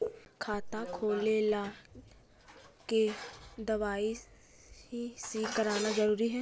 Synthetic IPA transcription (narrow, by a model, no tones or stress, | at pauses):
kʰaːt̪akʰoːlelaː | ked̪əʋaːi | siːkəɾaːnazəɾuːɾiɦɛː